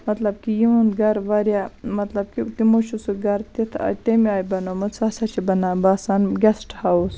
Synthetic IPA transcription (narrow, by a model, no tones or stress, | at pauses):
mɐt̪lɐb̚kijiunɡɐɾʋɐɾjamɐt̪lɐb̚kit̪imoʃusuɡɐɾt̪it̪ʰa̰t̪emiaːjbɐnomɨt͡sasɐt͡ʃʰibɐnabaːsaːnɡʲɐsʈhas